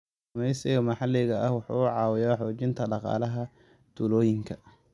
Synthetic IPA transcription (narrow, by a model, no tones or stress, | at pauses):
ɐmɛjsɪɣɐmɐħɑlɛɣɐɐhwɑħṵːʊʕɑːwɪjaːħɔːt͡ʃɪnt̪ʰɐɖɑqɑ̰ːlɐɦɐ | t̪ʰuːlɔːjɪŋkʰɐ